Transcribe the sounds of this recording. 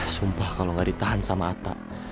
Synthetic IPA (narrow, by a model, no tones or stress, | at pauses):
sumpahkaloŋɡaɾit̪aɦansamaːt̪a̰ʔ